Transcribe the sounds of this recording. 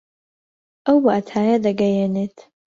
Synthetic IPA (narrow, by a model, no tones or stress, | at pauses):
ʔɐwbaːt̪ʰaːjɐd̪ɐɡɐjeːneːt̪